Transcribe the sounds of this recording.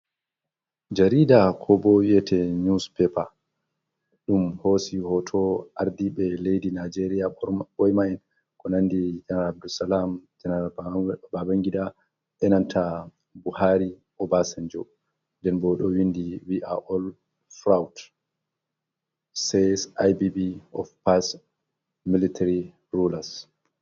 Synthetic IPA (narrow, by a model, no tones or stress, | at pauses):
d͡ʒaɾidakʰɔbɔwiɛtʰɛɲuspɛpa | ɗumhosihɔtʰɔʔaɾdiɓɛlejdinad͡ʒeɾijaɓɔjmaɛn | kɔnanːdid͡ʒanaab̚dusalamd͡ʒanababaŋɡida | ɓɛnantʰa | buhaɾi | ʔɔbasɛnd͡ʒɔ | ndɛnbɔɗɔwindiwiʔa̰ʔɔl | fɾawt | sɛsajbibiɔfpas | militaɾi | ɾulas